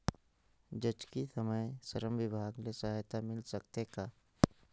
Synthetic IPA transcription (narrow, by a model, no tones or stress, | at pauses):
d͡ʒəd͡ʒkisəməjsəɾəmʋɪbʱaːɡnesɐɦajt̪amɪlsɐkt̪ekaː